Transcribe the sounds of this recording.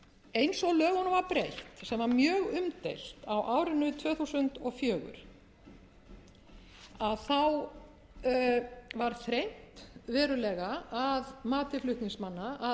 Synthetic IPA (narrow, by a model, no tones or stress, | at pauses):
ejnsɔɣlœːɣɔnvaɾpɾejht̪sɛmvaɾmjœːɣʏmt̪ejl̥t̪awʔaːwɾɪnʏt̪ʰvœːθusʏnt̪ɔɣfjœːɣʏ̰ɾ̥ | aðθaw | vaɾ̥θɾejn̥t̪vɛːɾʏlɛːɣaaðmaːt̪ɪflʏht̪niŋsmanːaa